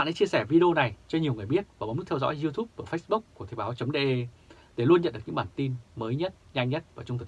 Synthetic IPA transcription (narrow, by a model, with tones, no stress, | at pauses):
a̰ː˧˨ʔa̰˧˦jt͡ɕi˧əsɛ˧˩vi˧ɗe˧o˧na˨˩jt͡ɕɔ˧ɲi˨˩əwŋɨ˨˩əjɓi˦˥ət̚vaː˨˩m˨˦nm̚˦˥t̪ʰzɔ̰˧˥jzi˧t̪ʰu˦˥p̚vəː˧˩fə˦˥sɓu˦˥kku˧˩ət̪ʰe˨˩jɓaː˨˦wt͡ɕə˨˦wŋ͡mɗe˧ʔe˧ | ɗe˧˩lu˧ənɲə̰˧˨nɗɨ˨˩ɲɨ̰˧˥ɓaː˨˩nt̪i˧nməː˨˦jɲə˦˥t̚ɲa˧jŋ̟ɲə˦˥t̚vaː˨˩t͡ɕʊ˧ŋ͡mt̪ʰk̚